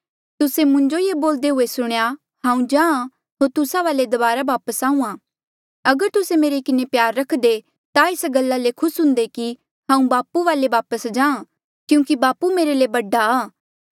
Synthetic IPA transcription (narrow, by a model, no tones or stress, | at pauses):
t̪ʊsemʊ̃ɲd͡ʒojeːboːld̪eɦʊesʊɽ̃ja | ɦãːũd͡ʒãːã | ɦoːɾt̪ʊsaʋaːled̪ɐbaːɾabaːpəsaːũãː | ɐɡəɾt̪ʊsemeːɾekɪnepjaːɾːɐkʰd̪e | t̪aesɡɐlːalekʰʊsɦʊ̃nd̪eki | ɦãːũbaːpuʋaːlebaːpəsd͡ʒãːã | kjũːkibaːpumeːɾelebɐɖaaː